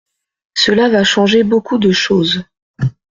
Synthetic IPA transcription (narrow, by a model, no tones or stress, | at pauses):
səlavaʃɑ̃ʒebokud̪əʃoːz